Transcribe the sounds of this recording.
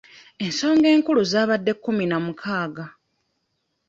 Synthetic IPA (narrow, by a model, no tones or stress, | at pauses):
e̞nso̞ːŋɡe̞ːŋkuluzaːβadːe̞kːuminamukʰaːɡa